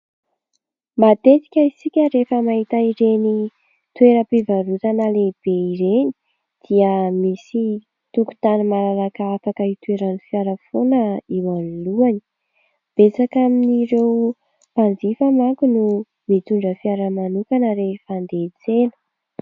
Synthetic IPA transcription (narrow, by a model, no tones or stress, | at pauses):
mat̪et͡si̥kʲaisikʲəɾefəmaɦit̪aiɾeni | t̪weɾəpivaɾut̪anəleb̥eiɾeni̥ | d̪̥iəmisi | t̪uku̥t̪anumalalakaafakəit̪ueɾanifiaɾəfonəiwanuluani̥ | b̥et͡sakaminiɾew | pand͡zifamaŋkunu | mit̪uɳɖ͡ʐəfiaɾəmanukanəɾefand̪et͡senə̥